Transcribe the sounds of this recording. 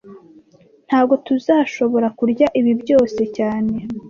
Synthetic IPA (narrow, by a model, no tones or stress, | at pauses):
n̥haːbɡo̞tuzaːʃo̞βo̞ɾakuɾɟaʔiβibɟo̞ːse̞caːne̞